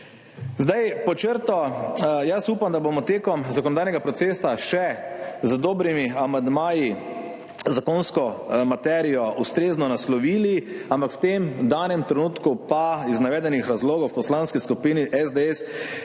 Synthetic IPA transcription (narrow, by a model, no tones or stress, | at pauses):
zd̪ajpɔt͡ʃəɾt̪ɔjasuːpamd̪abomɔt̪eːkɔmzakɔnɔd̪aːjnɛɡapɾɔt̪seːsaʃɛzd̪oːbɾimiamand̪maːji | zakonskɔmat̪ɛɾijɔʔust̪ɾeːznɔnaslɔʋiːliampakwt̪emd̪aːnɛmt̪ɾɛnuːt̪kupaiznaʋɛːd̪ɛnixɾazloːɡɔwpɔslanskiskupiːniʔɛzd̪eɛs